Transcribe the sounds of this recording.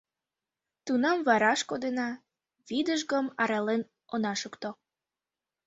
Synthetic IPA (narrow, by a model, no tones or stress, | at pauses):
t̪unɑmvɑɾɑʃkod̪enɑ | βid̪əʒɣəmɑɾɑlen | onɑʃukt̪o